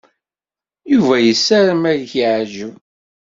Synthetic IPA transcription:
juvæjəsːæɾəmæjçiʕʒu

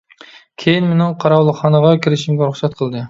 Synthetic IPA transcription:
kʲʰejinmenɪŋqʰɑɾɑwlˠəχɑnəʁɑkʲʰiɾɪʃimɡʲɛɾʊχsɛt̪̚qʰəlˠd̪ɨ

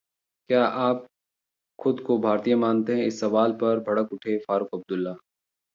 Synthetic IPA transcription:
kjaːʔaːp̚ | xʊd̪kobʱaːɾt̪ijãmaːnt̪eɦɛ̃ɪsːɐʋaːlpɐɾbʱɐɽəkʊʈʰefaːɾʊkɐb̚d̪ʊlːaː

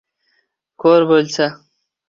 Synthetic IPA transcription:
koːɾbolʲt͡sʰa

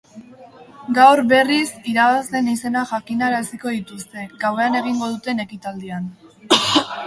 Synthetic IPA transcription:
ɡawɾβe̞risiɾaβasle̞nise̞naxakinaeɾasiko̞ðit̪ust̪e̞ɡawe̞ane̞ɣ̞iŋɡo̞ð̞ut̪e̞ne̞kit̪ald̪ian

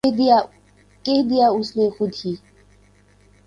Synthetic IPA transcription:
kehd̪ijaːʊsleːxʊd̪hiː

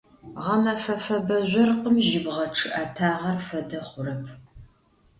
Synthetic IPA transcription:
ʁɐmɐfɐfɐbɐʑʷɐrqəmʒɪbʁɐʈ͡ʂʰɨʔaːtʰaːʁɐrfɐdɐχʷʊɾɐpʰ

